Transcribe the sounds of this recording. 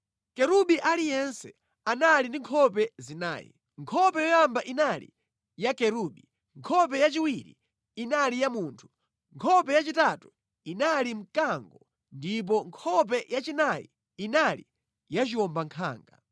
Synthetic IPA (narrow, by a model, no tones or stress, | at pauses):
kɛɾuɓiʔalijɛnsɛ | analindiŋkʰɔpɛzina̰ːjḭ | ŋkʰɔpɛjɔjambaʔinalḭ | jakɛɾuɓi | ŋkʰɔp̬ɛjat͡ʃiwiɾḭ | inalijamuːntʰu̥ | ŋkʰɔpɛjat͡ʃitatu | inalim̩kaŋɡɔ | ndip̬ɔŋkʰɔp̬ɛjat͡ʃinajḭ | inalḭ | jat͡ʃiɔmbaŋkʰa̰ːŋɡa̰